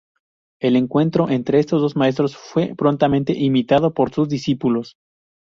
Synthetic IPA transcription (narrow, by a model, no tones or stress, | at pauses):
e̞le̞ŋkwe̞nt̪ɾo̞ʔe̞nt̪ɾe̞est̪o̞zðozmae̞s̬t̪ɾo̞sfwe̞pɾo̞nt̪amẽnt̪e̞̰ʔimit̪að̞o̞po̞ɾsuzðisipulo̞s